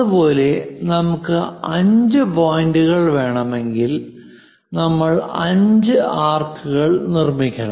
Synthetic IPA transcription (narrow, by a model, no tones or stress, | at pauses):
ɐðupo̞ːle̞nɐmukːɨɐɲd͡ʑɨpo̞ːjiɳɖuɣɐɭʋe̞ːɳɐme̞ŋɡil | nɐmːɐɭɐɲd͡ʑɨaːrkʰɨɣɐɭnirmikʲːɐɳɐ